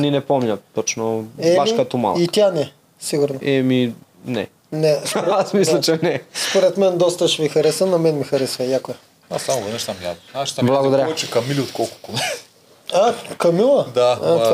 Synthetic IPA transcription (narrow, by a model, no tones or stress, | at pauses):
ninɛpɔmnʲɐt̪ɔt͡ʃnoɛaʃkɐt̪oma̰lˠit̪ʲjanɛ | siɡʊɾnoɛmi | nɛ̰ | nɛsoɾasmislˠɐt͡ʃɛnɛspoɾɛt̪mɛnd̪ɔst̪əʃɛmixɐɾɛsvənɐmɛnmixɐɾɛsvəjakoɛ | asamovɐd̪ɛʃt̪amja̰dnaʃblˠɐɡod̪ɐɾʲjat͡ʃɛkɐmiliot̪kɔlˠkʊ̥konɛ | akɐmilˠəd̪aa